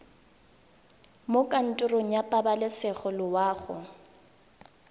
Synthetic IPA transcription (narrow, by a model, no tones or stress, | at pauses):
mokʼan̩tʼʊroŋ̩japʼabalɪsɛχɔlʊwaːɣʊ